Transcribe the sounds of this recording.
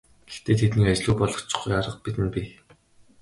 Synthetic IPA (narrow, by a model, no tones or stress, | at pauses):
ɡ̥ext̪eːt̪ʰet̪niːkat͡ɕɮuːpɔɮɞ̆χt͡ɕʊ̥̆χujaɾə̆q̚pit̪ɘ̆npʲi